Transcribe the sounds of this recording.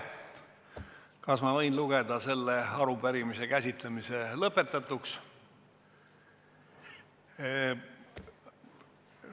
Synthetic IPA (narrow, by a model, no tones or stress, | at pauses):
kɑsmɑvɤjnluɡ̥e̞d̪̥ɑse̞lːeɑɾubeɾimise̞kæsʲit̪lemise̞lɤpːˑe̞t̪ːˑɑt̪uks